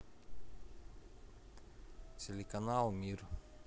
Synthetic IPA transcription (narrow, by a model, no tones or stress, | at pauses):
t͡selekanalmiɾ